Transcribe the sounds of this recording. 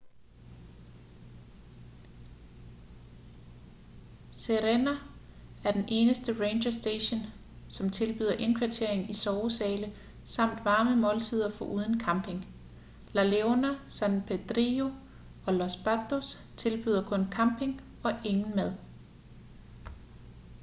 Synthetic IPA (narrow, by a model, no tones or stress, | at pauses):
seʁenææɐd̥enʔe̝ːnəsd̥əʁeːnɕɐsd̥eɕon | sɒ̽mt͡sʰe̝lb̥y̰ːðˠɐʔe̝nkʰʋæt͡sʰe̝ɐ̰e̝ŋn̩isɒʊsɛːlə | sɑ̈m̰d̥ʋɑ̈ːməmɔ̽ːlt͡sʰið̞ˠɐfɒ̽ʔuːð̞ˠən̩kʰɑ̈mb̥ʰe̝ŋ | læleonæsænpʰed̥ʁio̝ | ɒ̽lɒsb̥æd̥os | t͡sʰe̝lb̥yːð̞ˠɐkʰɔ̽nkʰɑ̈mb̥ʰe̝ŋ | ɒ̽ʔe̝ŋn̩mæð̞ˠ